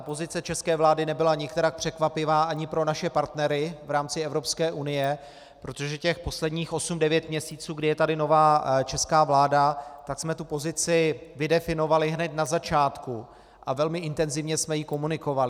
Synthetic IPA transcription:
po̞zɪt͡sɛt͡ʃɛskɛːvlaːdɪnɛbɪlaɲɪkt̪ɛɾak̚pr̥ɛkvapɪvaːʔaɲɪpɾo̞naʃɛpaɾt̪nɛɾɪvɾaːmt͡sɪɛvɾo̞pskɛːʔunɪjɛ | pɾo̞t̪oʒɛcɛxpo̞slɛdɲiːxʔo̞sumdɛvjɛt̪mɲɛsiːt͡suːɡdɪjɛt̪adɪno̞vaːt͡ʃɛskaːvlaːdat̪aksmɛt̪upo̞zɪt͡sɪvɪdɛfɪno̞valɪɦnɛt̪nazat͡ʃaːt̪ku | ʔavɛlmɪʔɪnt̪ɛnzɪvɲɛsmɛjɪko̞munɪko̞valɪ

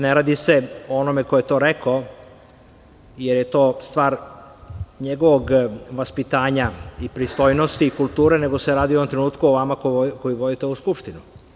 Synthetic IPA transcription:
neɾaːd̪ise̞oonome̞kojet̪o̞ːɾeko | jeɾjet̪o̞ːst̪ʋaːɾ | ɲeɡo̞ʋoɡʋaspit̪aːɲaipɾist̪ojnost̪iːkulˠt̪uːɾene̞ɡo̞seɾaːd̪ioomt̪ɾenuːt̪kuoʋamakokojiʋod̪it̪euskupʃt̪inu

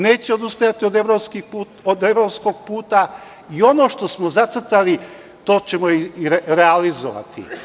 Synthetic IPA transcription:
ne̞ːt͡ɕeod̪ust̪ajat̪iod̪eʋɾo̞pskipu | od̪e̞ʋɾo̞psko̞ɡ̚puːt̪a | io̞no̞ʃt̪osmozat̪sr̩t̪ali | t̪o̞ːt͡ɕe̞moiɾɾealizo̰ʋa̰t̪ʰḭ

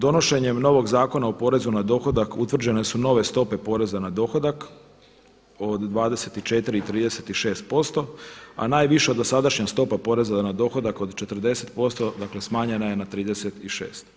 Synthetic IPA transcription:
d̪o̞no̞ʃe̞ɲe̞mno̞ʋo̞ɡzaːko̞naopo̞ɾe̞zunad̪o̞xo̞d̪akut̪ʋr̩d͡ʑe̞ne̞suno̞ʋe̞st̪o̞pe̞po̞ɾe̞zanad̪o̞xo̞d̪ak | o̞d̪ːʋaːd̪e̞se̞t̪it͡ʃe̞t̪iɾit̪ɾiːd̪ese̞t̪iʃe̞ːst̪̚po̞st̪o̞a̰naːjʋiʃeod̪osad̪aʃɲast̪o̞papo̞ɾe̞zanad̪o̞xo̞d̪ako̞d̪t͡ʃe̞t̪r̩d̪e̞se̞̥t̪po̞st̪o̞d̪akle̞smaːɲenaje̞nat̪ɾiːd̪eset̪iʃḛːst̪

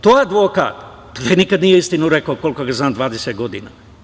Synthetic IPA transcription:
t̪oead̪ʋoka̰ːt̪ | p̪enikad̪nijeist̪inuɾekaoko̞likoɡaznaːmd̪ʋaːd̪eset̪ɡo̞d̪ḭna̰ː

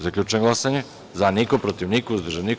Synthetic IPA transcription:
zakʎʲut͡ʃenɡlˠasaɲe | zanikopɾot̪iʋnikouzd̪ʒanik

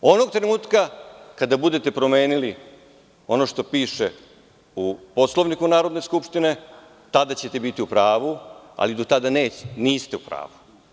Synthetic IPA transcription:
o̞no̞ɡt̪ɾenuːt̪kakad̪abud̪e̞t̪e̞pɾo̞me̞ːnili | o̞no̞ʃt̪o̞piːʃe̞ | upo̞slˠo̞ʋnikunaːɾo̞d̪ne̞skupʃt̪ine̞ | t̪ad̪at͡ɕe̞t̪e̞bit̪iupɾaːʋua̰lid̪o̞t̪ad̪aneːniːst̪e̞upɾa̰ːʋu

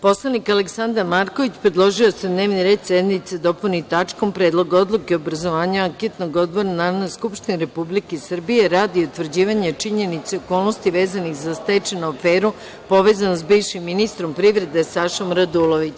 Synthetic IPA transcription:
po̞slˠanikaleksand̪aɾmaɾko̞ʋit͡ɕpɾe̞d̪lˠo̞ʒiosed̪ne̞ːʋniɾe̞ːd̪sed̪nit̪sed̪o̞punit̪at͡ʃko̞mpɾe̞ːd̪lˠo̞ɡo̞d̪lˠukeobɾazo̞ʋaːɲaaŋket̪noɡo̞d̪̚bo̞ɾanaɾonojskupʃt̪iniɾe̞publikesr̩bije̞ɾaːd̪iut̪ʋr̩d͡ʑiːʋaɲet͡ʃiɲe̞nit̪seoko̞ːlˠno̞st̪iʋeːzanixzast̪et͡ʃenaofeːɾu | po̞ʋe̞ːzanosbiʋʃimːinist̪ɾo̞mpɾiʋɾe̞d̪esaʃomɾad̪ulˠoʋit͡ɕ

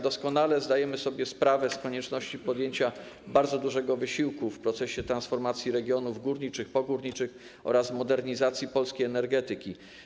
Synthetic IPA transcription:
d̪ɔskɔnalɛzd̪ajɛmɘsɔbʲjɛspɾavɛskɔɲɛt͡ʂnɔɕt͡ɕipɔd̪jeɲt͡ɕa | baɾd̪zɔd̪uʐɛɡɔvɘɕiwkufpɾɔt̪sɛɕɛt̪ɾansfɔɾmat̪sʲjiɾɛɡʲjɔnuvɡuɾɲit͡ʂɘxpɔɡuɾɲit͡ʂɘx | ɔ̰ɾazmɔd̪ɛɾɲizat̪sʲjipɔlskʲejɛnɛɾɡɛt̪ɘkʲi

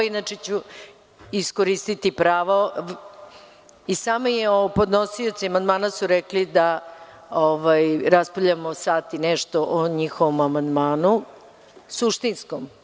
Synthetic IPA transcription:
inat͡ʃet͡ɕu | iskoɾist̪it̪ipɾaːʋo | isaːmojeopo̞d̪nosio̞t̪siamand̪maːnasuɾɛklid̪a | oʋajɾaspoʎamosaːt̪inɛʃt̪oʔoɲixoʋomamand̪maːnu | suʃt̪inskom

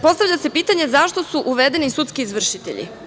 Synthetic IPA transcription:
po̞st̪aʋvʎʲasepiːt̪aɲe̞zaʃt̪o̞suʔuʋed̪e̞nisut̪skiizʋr̩ʃit̪ḛʎḭ

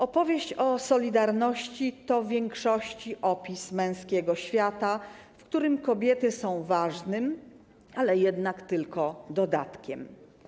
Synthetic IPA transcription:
ʔɔpɔvʲjeɕt͡ɕɔsɔlʲid̪aɾnɔɕt͡ɕit̪ɔvʲjɛŋkʂɔɕt͡ɕiʔɔpʲismɛ̃w̃skʲɛɡɔɕfʲjat̪a | fkt̪uɾɘmkɔbʲjɛt̪ɘsɔ̃w̃vaʐnɘm | alɛjɛd̪nakt̪ɘlkɔd̪ɔd̪at̪kʲɛm

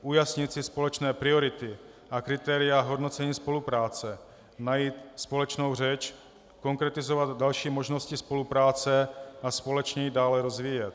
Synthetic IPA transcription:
ʔujasɲɪt̪sɪspo̞lɛt͡ʃnɛːpɾɪo̞ɾɪt̪ɪ | ʔakɾɪt̪ɛːɾɪjaɦo̞dno̞t͡sɛɲiːspo̞lupɾaːt͡sɛ | najiːt̪spo̞lɛt͡ʃno̞wr̝ɛt͡ʃ | ko̞ŋkɾɛt̪ɪzovad̪dalʃiːmo̞ʒnoscɪspo̞lupɾaːt͡sɛaspo̞lɛt͡ʃɲɛjidaːlɛɾo̞zviːjɛt̪

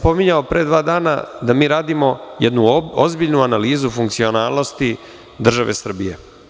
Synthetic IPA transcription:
po̞miɲaopɾe̞ːd̪ʋaːd̪aːna̰d̪amiːɾaːd̪imo̞jɛd̪nuozbiʎnuanaliːzufuŋkt̪sio̞naːlˠno̞st̪i | d̪r̩ʒaʋe̞sr̩bije̞̰

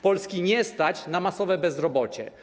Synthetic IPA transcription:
pɔlskʲiɲɛst̪at͡ɕnamasɔvɛbɛzɾɔbɔt͡ɕɛ̰

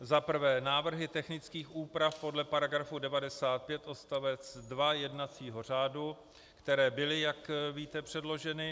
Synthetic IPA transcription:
zapr̩vɛːnaːvr̩ɦɪt̪ɛxnɪt͡skiːxʔuːpɾafpo̞dlɛpaɾaɡɾafudɛvadɛsaːt̪̚pjɛt̪ʔo̞st̪avɛt͡sdvajɛdnat͡siːɦo̞r̝aːdu | kt̪ɛɾɛːbɪlɪjakviːt̪ɛpr̥ɛdlo̞ʒɛnɪ

